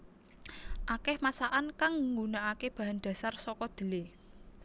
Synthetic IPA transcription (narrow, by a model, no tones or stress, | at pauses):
ʔakɛhmasaʔankaŋŋɡunaʔakeb̥a̤ɦand̪̥ä̤sarsɔkɔd̪̥ə̤le